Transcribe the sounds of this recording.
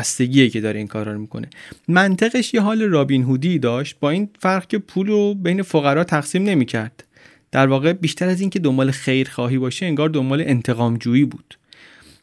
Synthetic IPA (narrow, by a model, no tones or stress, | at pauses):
st̪e̞ɟiːecʰe̞d̪ɒːɾeiːnkʰɒːɾɒːɾmiːkʰo̞̰nʔe̞mænt̪ʰeɣeʃjeɦɒːleɾɒːbiːnɦuːd̪iːd̪ɒːʃt̪̚bɒːiːnfæɾɣcʰʲe̞pʰuːlrobe̞jne̞foɣæɾɒːt̪ʰæɣsiːmne̞miːcʰæɾd̪̥ː | æɾvɒːɣe̞biːʃt̪ʰæɾæziːŋcʰe̞d̪o̞mbɒːle̞xe̞jɾxɒːɦiːbɒːʃeeŋɡɒːɾd̪o̞mbɒːleʔent̪ʰe̞ɣɒːmd͡ʒuːiːbuːd̪̥